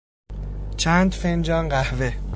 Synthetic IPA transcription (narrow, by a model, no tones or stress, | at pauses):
t͡ʃʰæːnd̪fend͡ʒɒːnɢæhve